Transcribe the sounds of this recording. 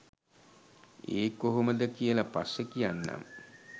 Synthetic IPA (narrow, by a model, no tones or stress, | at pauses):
eːkːoɦoməd̪əkijəlapasːəkijanːa̰m